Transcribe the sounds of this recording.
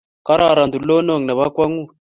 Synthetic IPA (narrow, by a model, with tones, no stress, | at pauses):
ka˦ɾa˨ɾa˨nd̪u˨lɔ˦no˦˨ŋ˨na˨βa˦kwa˦ŋu˦˨